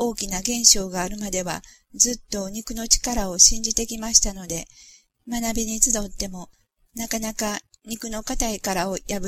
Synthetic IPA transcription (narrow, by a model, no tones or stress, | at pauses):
o̞ːkʲinaɡẽ̞ɰ̃ɕo̞ːɡaːɾɯ̟mad̪e̞βa̰ | d͡zɨt̪ːo̞ɲ̟ikɯ̟no̞t͡ɕi̥kaɾao̞ɕĩɲ̟d͡ʑit̪e̞kʲimaɕi̥t̪ano̞d̪e̞ | manabʲiɲ̟it͡sɨd̪o̞t̪ːe̞mo̞ | nakanakaɲ̟ikɯ̟no̞kat̪aikaɾao̞jabɯ